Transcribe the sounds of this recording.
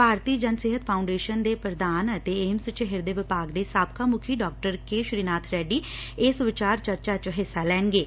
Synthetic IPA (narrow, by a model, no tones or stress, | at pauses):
paːɾt̪iːd͡ʒənseɦət̪pʰaːʊɳɖeːʃənd̪eːpɾəd̪aːnət̪eːeːmsʊt͡ʃɪɦɪɾd̪eːʋɪpaːɡd̪eːsaːb̚kaːmʊkʰiːɖɔːk̚ʈəɾkeːʃɾiːnaːt̪ʰɾɛːɖiːeːsʊʋɪt͡ʃaːɾt͡ʃəɾt͡ʃaːt͡ʃɦɪsːalɛːnɡeː